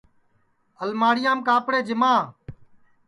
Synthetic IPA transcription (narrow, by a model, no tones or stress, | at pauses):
əlmaːɽɪjãːmkaːpɽeːd͡ʒɪmaː